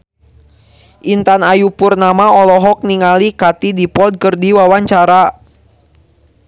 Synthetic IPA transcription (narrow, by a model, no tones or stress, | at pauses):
ʔint̪anajupurnamaɔlɔɦɔk̚niŋalikat̪idipɔd̚kərdiwawaɲt͡ʃaɾa